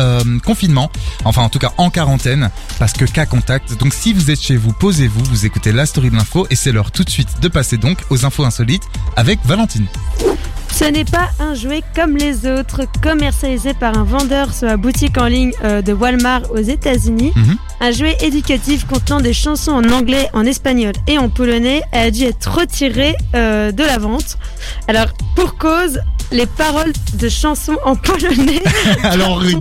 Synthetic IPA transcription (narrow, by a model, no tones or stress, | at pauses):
ømkɔ̃finmɑ̃ɑ̃fɛ̃ɑ̃t̪ukaʔɑ̃kaʁɑ̃t̪ɛn | paʁsə̥kəkakɔ̃t̪ak̚t̪d̪ɔ̃ksivuzɛt̪ʃevupozevuvuzekut̪elast̪ɔʁid̪əlɛ̃foʔesɛlœʁt̪ut̪sɥit̪d̪əpased̪ɔ̃kozɛ̃foɛ̃sɔlit̪avɛkvalɑ̃t̪in | sənɛpaɛ̃ʒwɛkɔmlezot̪χkɔmɛʁsjalizepaʁɛ̃vɑ̃d̪œʁswabut̪ikɑ̃liɲød̪əwalmaʁozet̪azyni | ɛ̃ʒwɛʔed̪ykat̪ifkɔ̃t̪nɑ̃d̪eʃɑ̃sɔ̃ɑ̃nɑ̃ɡlɛʔɑ̃nɛspaɲɔleɑ̃pɔlɔnɛɛad̪yɛt̪χʁət̪ʰiʁeød̪əlavɑ̃t̪ | alɔʁpuʁkozlepaʁɔld̪əʃɑ̃sɔ̃ɑ̃pɔlɔnɛlɔ